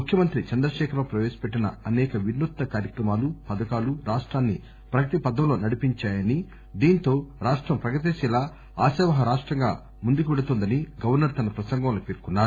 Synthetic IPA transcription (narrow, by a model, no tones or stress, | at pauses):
mukʰjɐmɐnt̪ɾit͡ʃɐnd̪ɾɐʃɛːkʰɐɾoːpɾɐʋɛːʃɐ̥peʈːinɐ̰ɐnɛːkɐʋinːut̪ːɐkaːɾjɐkɾɐmaːlupɐd̪ɐkaːluɾaːʂʈɾaːnːi | pɾɐkɐt̪ipɐd̪ːɐmlo̞ːnɐɽipiɲt͡ʃaːjɐni | d̪iːnt̪o̞ːɾaːʂʈɾɐmpɾɐɡɐt̪̬iʃilaː | aːsɛːʋɐɦɐɾaːʂʈɾɐŋɡa̰ː | mund̪ukʋɛɽut̪ond̪ɐniɡɐʋɐɾnɐɾt̪ɐnɐpɾɐsɐŋɡɐmloːpeːɾkunːaːɾu